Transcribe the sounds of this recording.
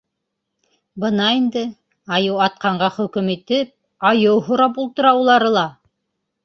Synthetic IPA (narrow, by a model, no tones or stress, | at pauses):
bɤnɑind̪ɘ | ɑjɤwɑt̪̚qɑɴɢɑχɵ̆kɵmit̪ɘp̚ | ɑjɤwɦŏɾɑpulˠt̪ɤ̆ɾɑwulˠɑɾɤlˠɑ